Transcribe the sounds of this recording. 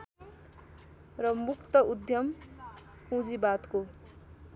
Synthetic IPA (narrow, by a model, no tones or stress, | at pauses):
rʌmukt̪ʌud̪ʱjʌm | pũd͡zibat̪ko